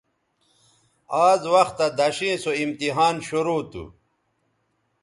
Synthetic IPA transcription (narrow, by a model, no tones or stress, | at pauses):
aːzwɐxt̪ɐd̪ɐɕĩːsoimt̪iɦaːnɕuɾoːt̪ṵ